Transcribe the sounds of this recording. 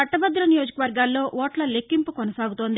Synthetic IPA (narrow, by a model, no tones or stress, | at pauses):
ɐʈːɐbɐd̪ːulɐnijoːd͡ʒɐkɐʋɐɾɡaːlːo̞ːʔɔːʈlɐle̞kːimpukonɐsaːɡut̪oːnd̪i